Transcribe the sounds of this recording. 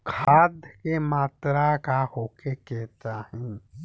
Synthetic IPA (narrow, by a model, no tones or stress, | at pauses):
kʰaːd̪ʱkemaːt̪ɾakahoːkekɛːt̪ahɛ̃ː